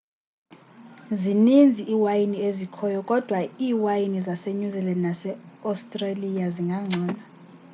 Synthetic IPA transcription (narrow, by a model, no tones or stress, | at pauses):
zinind͡zʱiʔiːwajiniezikʰɔjɔkʼɔd̥ʱwaiːwajinizaseɲuzɛlɛnasɛastʼralijaziŋɡʱaŋ͡ǀʱɔːna